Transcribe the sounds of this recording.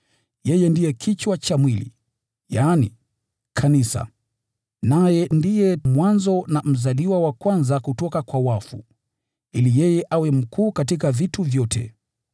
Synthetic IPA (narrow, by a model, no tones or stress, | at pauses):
jɛjɛndijɛkʰit͡ʃwat͡ʃamwilḭ | jaːnḭ | kʰanisa̰ | najɛndijɛmwanzɔnam̩zaliwawakwanzakutɔkakwawafu | ilijɛjɛʔawɛm̩kʰuːkatik̬avituvjɔtʰɛ̰